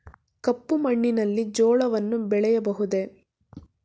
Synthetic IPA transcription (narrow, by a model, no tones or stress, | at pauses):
kɐpːumɐɳːinɐlːid͡ʒoːɭɐʋɐnːubɛɭɛjɐbɐɦud̪e̞